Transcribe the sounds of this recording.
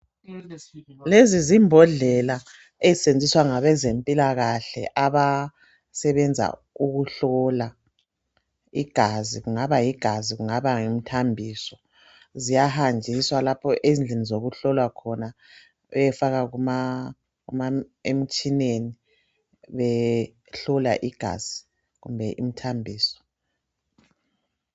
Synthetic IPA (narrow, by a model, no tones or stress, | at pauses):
lezizimbʱɔɮɛla | ɛzisend͡zʱiswaŋaβɛzempʼilaɣaɬɛ̰ʔaβa | sɛβɛnd͡zʱa̰ | uɣuɬɔla | iɡ̥ʱaziɣuŋaβajiɡ̥ʱaziɣuŋaβaŋem̩tʰambʱiːsɔ | zijahand͡ʒʱiswalapʰɔʔezind͡ɮʱenizoɣuɬɔlwakʰɔna | ɛjɛfaɣaɣuma | ɣumaem̩t͡ʃʼineni | βɛ | ɬɔla̰ʔiɡ̥ʱa̰z̥i | ɣumbʱɛʔim̩tʰambʱiːsɔ̥